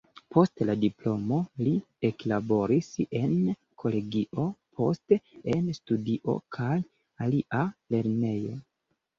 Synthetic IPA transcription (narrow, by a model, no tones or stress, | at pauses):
pʰo̞stladiplo̞mo̞li | e̞klabo̞ɾise̞n | kʰo̞le̞ɡiʔo̞pʰo̞ste̞nstudiʔo̞̰kʰaj | aliʔale̞ɾne̞jo̞̰